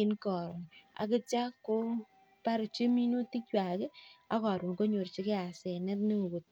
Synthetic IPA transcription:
ɪ˦nkɔ˨ɾɔ˨a̰˨kɪ˦t͡ʃa˦kːo˦ | pa˦ɾt͡ʃe˦mi˦no˦ti˦k̚t͡ʃwa˨ke˦a̰˦kɔ˨ɾo˨ko˦ɲo˨ɾt͡ʃɪ˦kɪ˦a˨sɛ˨nɛ˦tne˦o˨ɡo˨t

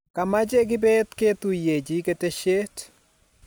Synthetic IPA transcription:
ka˨ma˦d͡ʒe˦ɡɪ˦bɛt̪ke˦t̪u˨je˨d͡ʒi˦ke˦te˦ʃe˦t

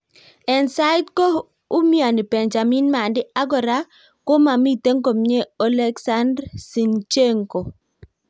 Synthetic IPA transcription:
ɛ˨nsa˦ɪ˦tko˦ | ʊ˦mi˦a˨ni˨pe˨nd͡ʒa˨mi˦nma˨ndɪ˦a˦ɡɔ˨ɾa˦ | ko˦ma˨mi˦te˦ŋko˨mɲe˦ɔ˦lɛ˦ksa˦ndɾsi˨nt͡ʃe˦ŋko˨

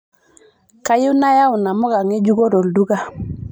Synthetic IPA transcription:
ka˦ji˦na˦ja˦u˨na˨mɔ˦ɡa˨ŋe˦d͡ʒu˦ɡo˦do˨ldu˦ɡa˦

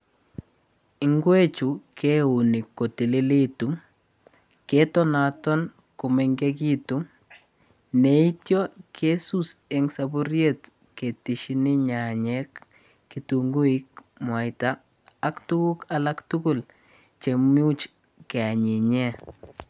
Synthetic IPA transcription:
ɪ˨ŋɡwe˦t͡ʃu˨ke˦u˨ni˨kːo˨ti˨li˦li˦tu˨˦m | ke˦tɔ˦na˨tɔ˦n | ku˨meŋɡe˦k̬i˦tu˨m | ne˨i˦tjɔ˦kʰe˦su˦se˨ŋsabu˦ɾjet | ke˨ti˨ʃi˦ni˦ɲa˨ɲɛ˦k | ki˨tuŋɡu˦i˦k̚ | mwa˨jtaː˦ | ktu˦wu˦kala˦ktukʊ˦l | t͡ʃemu˦t͡ʃ | kɛ˨a˨ɲi˨ɲɛ˦

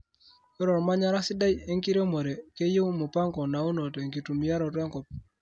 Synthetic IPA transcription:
e˦ɾɔ˨ɾma˦ɲa˦ɾa˦sɪ˦da˦je˦ŋki˦ɾe˦mɔ˨ɾe˨ke˦je˦mo˨pa˦ŋkɔ˨na˨o˦no˨te˨ŋɡi˨tu˨mi˨a˦ɾɔ˨twɛ˦ŋkɔ˨p̚

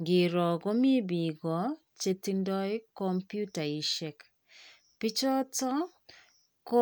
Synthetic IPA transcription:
ɡɪ˨ɾɔ˨ɡɔ˦mi˦bi˨ɡɔ˨ | t͡ʃe˦ti˦ndɔ˦ɪ˦kɔ˦mpju˦ta˨i˨ʃɛ˦k | pi˦t͡ʃɔ˦tɔ˦ | ko˦

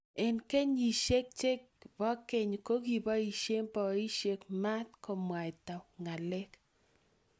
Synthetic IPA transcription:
e˨nke˦ɲi˨ʃe˦k̚t͡ʃe˦k | bɔ˦ke˦˨ɲ˨ko˦ɡi˨bɔ˦i˨ʃe˦mpɔ˨˦i˦ʃe˦kma˦t̪̚ko˨mwa˨i˨ta˨ŋa˨lɛ˦k

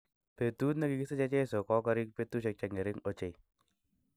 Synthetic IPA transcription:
pe˨tu˦t̪na˦ki˨˦ki˦se˦t͡ʃa˦t͡ʃe˦so˨kɔ˦ka˦ɾɪ˦k̚pe˦t̪u˦ʃ̬e˧k̚t͡ʃa˧ŋe˨ɾɪ˦ŋo˦t͡ʃe˨j

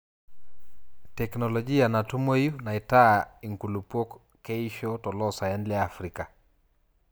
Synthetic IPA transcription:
tɛknɔlɔd͡ʒi˦a˨na˨tu˦mo˦ju˦na˨ita˦i˨ŋku˨lu˨pwɔ˦k | kɛ˦iʃɔtɔ˨lɔsa˨jɛnlɛafɾika

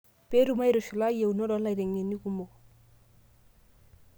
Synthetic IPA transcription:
pe˦ɾu˦˨ma˦i˦ɾo˨ʃu˨la˦je˨u˨no˦dɔ˨˦la˨i˨ɾe˨ŋe˨ni˦ku˦mo˨

